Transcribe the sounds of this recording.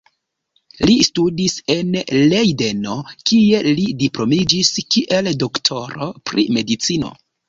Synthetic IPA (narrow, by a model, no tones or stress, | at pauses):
listudise̞nlejde̞no̞kie̞lidiplo̞mid͡ʒiskiʔe̞ldo̞ktʰo̞ɾo̞pɾḭme̞dit͡sino̞̰